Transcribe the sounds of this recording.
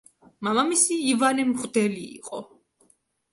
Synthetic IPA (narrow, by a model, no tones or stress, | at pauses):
mamamisiːvanɛmʁd̪ɛlḭːqʼɔ